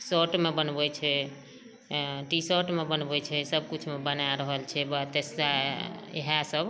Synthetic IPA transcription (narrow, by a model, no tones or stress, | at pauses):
səʈmebənbɛt͡ʃʰɛ | ʈisəʈmebənbɛt͡ʃʰɛsəb̚kut͡ʃʰmebənaɾəɦəlt͡ʃʰɛbat̪esaḛɦasəb